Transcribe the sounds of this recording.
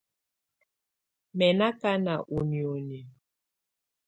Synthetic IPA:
mɛ˨na˦ka˦na˨ʔu˨njo˨ni˨

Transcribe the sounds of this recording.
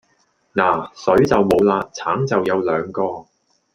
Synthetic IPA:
naː˨˩sɵ˨˥ɥt͡sɐ˨wmo˨˧wlaː˧t͡sʰaː˨˥ŋt͡sɐ˨wjɐ˨˧wlœː˨˧ŋkɔː˧

